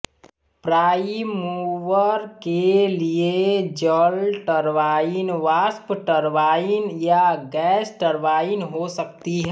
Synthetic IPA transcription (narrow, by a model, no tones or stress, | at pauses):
pɾaːimuʋəɾkelied͡ʒəlʈəɾʋaːinʋaːspʈəɾʋaːinjaɡɛːsʈəɾʋaːinɦosəkt̪iɦɛ